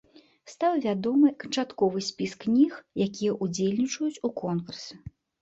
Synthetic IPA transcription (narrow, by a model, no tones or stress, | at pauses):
st̪awvʲad̪ɔmɨkɐnt͡ʂat̪kɔvɨsʲpʲisknʲixjakʲijɐʔud͡zʲelʲnʲit͡ʂɐjut͡sʲukʰɔnkursɨ